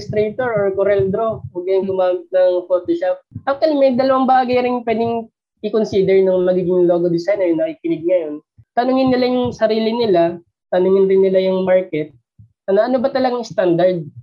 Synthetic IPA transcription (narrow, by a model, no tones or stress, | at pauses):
st̪ɾejt̪oɹoɹkoɾɛld̪ɾowɐɡɐjŋɡʊmaːmɪt̪̚nɐŋpoːt̪oʃap̚ʔɐp̚t̪wɐlimɛd̪ɐlɐwaŋbaːɡɐjɾɪnpwɛːd̪ɪŋ | ʔɪkonsiːd̪ɛɹnɐŋmɐɡiːɡɪŋlo̞ːɡod̪ɪsajnɛjnɐkikɪnɪɡ̪̚ŋɐjo̞n | t̪ɐnʊŋɪnːɪlajʊŋsɐɾiːlɪnɪla | t̪ɐnʊŋɪnɾɪnːɪlajʊŋmaɹkɛt̪̚ | ʔɐnoʔɐno̞bɐt̪ɐlɐɡaŋst̪and̪ɐɹd̪̚